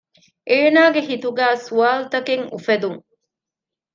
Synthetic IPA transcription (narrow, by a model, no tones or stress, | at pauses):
ʔeːnaːɡeɦit̪uɡæːsuaːlut̪ɐkeŋṵfɐd̪uŋ